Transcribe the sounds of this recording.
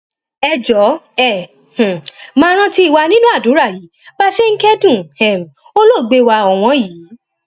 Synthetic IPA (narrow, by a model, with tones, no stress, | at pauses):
ɛ˧d͡ʒɔ˨˦ɛ˦˨ | h̩˨mãː˦ɾ̃ã˦ti˧i˨wa˧nĩ˦nũ˦a˦˨du˨˦ɾa˦˨jiː˨˦ba˦ʃe˦ŋ̩˦kɛ˦dũ˦˨hɛ˨m˨ | o˦lo˦˨ɡ͡be˧wa˧ɔ˨w̃ɔ̃˧˦jiː˨˦